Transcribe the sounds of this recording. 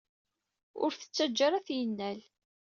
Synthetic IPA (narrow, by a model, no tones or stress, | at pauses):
ʊ̰ɾθə̥t͡sːæd͡ʒːaɾæθjənːæl